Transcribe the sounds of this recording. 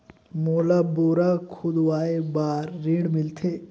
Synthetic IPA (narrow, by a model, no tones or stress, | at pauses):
moːlaboːɾakʰʊd̪waːebaːɾːiːɽmɪlt̪ʰeː